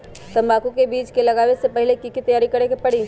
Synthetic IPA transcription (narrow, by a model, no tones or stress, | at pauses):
t̪ɐmaːkukebiːt͡ʃkelɐɡaːʋesepɐɦɪlekikit̪ɐjaːɾikɐɾekepɐɽ̤i